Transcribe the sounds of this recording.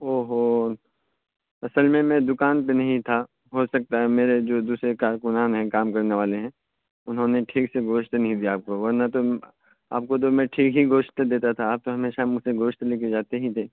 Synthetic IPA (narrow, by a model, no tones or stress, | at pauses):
oːɦo | ɐsəlmẽmɛ̃d̪ʊkaːnpenɐɦĩt̪ʰa | ɦosɐk̚t̪aɦɛmeːɾed͡ʒoːd̪uːsɾekaːɾkʊnaːnɦɛ̃kaːmkɐɾneʋaːleɦɛ̃ː | ʊnɦõneʈʰiːkseɡʱoːʃt̪nɐɦĩd̪ijaːp̚koʋɐɾnat̪o | a̰ːp̚kot̪̬omɛ̃ʈʰiːkɦiɡoːʃt̪d̪eːt̪at̪ʰaːp̚t̪oɦɐmeːʃamʊseɡoːʃt̪leːked͡ʒaːt̪eɦĩt̪ʰeː